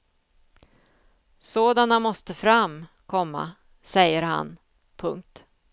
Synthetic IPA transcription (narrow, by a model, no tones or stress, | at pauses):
soːd̪anamɔst̪əfɾam | kʰɔmːa̰ | sɛjːəɾha̰n | pʰɵŋk̚t̪